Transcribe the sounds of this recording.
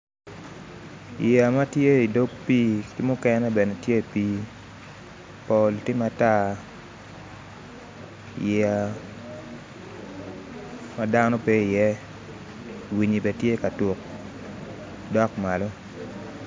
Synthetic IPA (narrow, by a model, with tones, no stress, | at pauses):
jɛa˨ma˦tje˦i˨do˦kpiː˦kɪ˦mʊ˦kɛnɛ˦bɛ˨ne˨tje˦i˨piː˦ | po˨ltɪ˦ma˨ta˦ | jɛ˨a˨ | ma˦da˦nɔ˦pe˦i˨jɛ˦ | wi˨ɲi˨bɛ˨tje˦ka˨to˨k | dɔ˦kma˨lo˦